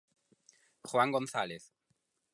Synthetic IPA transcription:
xwaŋɡõnθaleθ

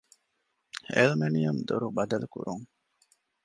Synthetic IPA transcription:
ḛlmenijɐmd̪oɾubɐd̪ɐlukṵɾuŋ

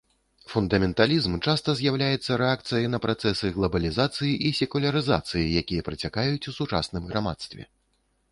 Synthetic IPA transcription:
fund̪ɐmʲɛnt̪alʲizmt͡ʂast̪ɐzʲjawlʲajɛt̪sːɐɾɛak̚t̪sɨjɐnɐpɾat̪sɛsɨɣlˠɐbɐlʲizat̪sɨjiʔisʲɛkulʲɐɾɨza̰t̪sɨjijakʲijɐpɾɐt͡sʲakajut͡sʲusut͡ʂa̰snɨmɣɾama̰t̪st̪vʲɛ̰

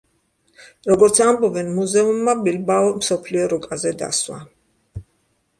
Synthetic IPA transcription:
ɾɔɡɔɾt̪sʰambɔbɛnmuzɛumːabilbaɔmsɔpʰliɔɾɔkʼazɛd̪a̰swa̰

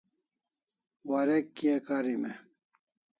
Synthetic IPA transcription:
waɾekːiekaɾime

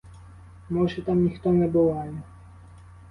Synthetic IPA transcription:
mɔʐɛt̪amʲixt̪ɔnʲɛbɔwajɛ

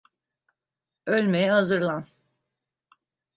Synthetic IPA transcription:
ølʲmejɛhazɯɾlˠan

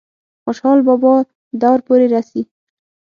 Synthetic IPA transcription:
xʊʃhɑlbɔbɔ | d̪awɾpoɾeɾasi

